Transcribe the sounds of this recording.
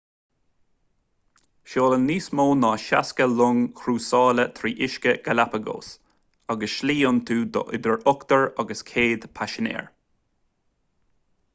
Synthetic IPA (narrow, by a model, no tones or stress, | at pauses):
ʃoːlənːiːsmoːnɑːʃaskəlʊŋkʰɾuːsɑːlət̪ʰɾiːʔɪʃkəɡ̥alapəɡo̰ːs | ɑɡəsʃliːʊnt̪ʰuːd̪ɔ̰ʔɪd̪əɹɔkt̪əɹɑɡəskʰeːd̪pʰaʃənḛːɹ